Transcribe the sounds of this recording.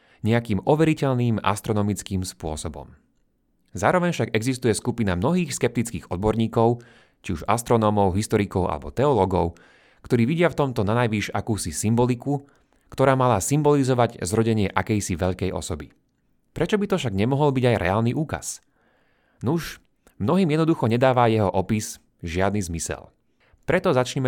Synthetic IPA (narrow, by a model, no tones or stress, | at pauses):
ɲɛakiːmʔɔʋɛɾicɛʎniːma̰st̪ɾɔnɔmit͡skiːmspʊɔsɔbɔ̰m | zaːɾɔʋɛɲfʃaɡɛɡzist̪ujɛskupinamnɔɦiːxskɛp̚t̪it͡skiːɣɔd̪̚bɔɾɲiːkɔʊ | t͡ʃiuʒa̰st̪ɾɔnɔːmɔʊɦist̪ɔɾikɔʊʔa̰lɛ̰bɔt̪ɛɔlɔɡɔʊ | kt̪ɔɾiːʋiɟɪaft̪ɔmt̪ɔnanajʋiʒakuːsisimbɔliku | kt̪ɔɾaːmalasimbɔlizɔʋaɟzɾɔɟɛɲɪɛʔakɛjsiʋɛʎkɛjʔɔ̰sɔbi | pɾɛt͡ʃɔbit̪ɔfʃaɡɲɛmɔɦɔlbiɟajɾʔɛ̰aːlniʔuːka̰s | nuʃ | mnɔɦiːmjɛd̪nd̪uxɔɲɛd̪aːʋajɛɦɔʔɔpis | ʒɪad̪nizmisɛ̰l | pɾɛt̪ɔzat͡ʃɲɛmɛ